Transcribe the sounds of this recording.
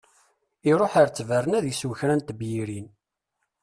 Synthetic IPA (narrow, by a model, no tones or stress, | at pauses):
iɾˤoħaɾt͡sːværˤənæðjiswçɾænt̪bjiɾin